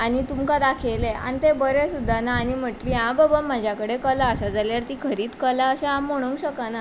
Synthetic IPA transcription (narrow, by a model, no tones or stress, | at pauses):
añit̪umkad̪akʰelea̰nit̪ebəɾesud̪ʱːanaːñim̤əʈliːɦãbəbamad͡ʑʱjakəɽekəlaəsad͡zaljaɾt̪iːkʰəɾiːt͡skəlaəɕeãmːoɽ̃uŋkɕəkana